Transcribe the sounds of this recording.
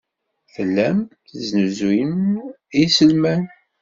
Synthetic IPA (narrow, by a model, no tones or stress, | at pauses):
fəlːæmθznuzin | isəlmæn